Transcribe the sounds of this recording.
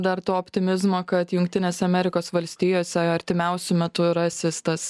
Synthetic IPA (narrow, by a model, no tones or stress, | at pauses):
d̪ɐɾt̪oːɔːpʲt̪ʲɪmʲɪzmoːkɐt̪jʊŋkt̪ʲɪnʲeːsʲɛɐmʲɛɾʲɪkoːsʋɐlʲsʲt̪ʲijoːsʲɛɐɾʲt̪ʲɪmʲɛʊsʲʊmʲɛt̪ʊɾɐsʲɪst̪ɐs